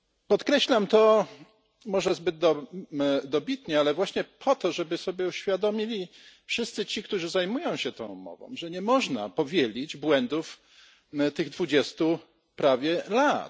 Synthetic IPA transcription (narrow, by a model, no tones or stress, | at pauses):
pɔt̪kɾɛɕlamt̪ɔ | mɔʐɛzbɘd̪d̪ɔ | d̪ɔbʲit̪ɲɛalɛvwaɕɲɛpʰɔt̪ɔʐɛbɘsɔbʲjɛuɕfʲjad̪ɔmʲilʲi | fʂɘst̪sɘt͡ɕikt̪uʐɘzajmujɔ̃w̃ɕɛt̪ɔ̰̃w̃mɔ̰vɔ̰̃w̃ʐɛɲɛmɔʐna̰pɔvʲjelʲid͡ʑbwɛnd̪uf | t̪ɘɣd̪vud͡ʑɛst̪u | pɾavʲjɛlat̪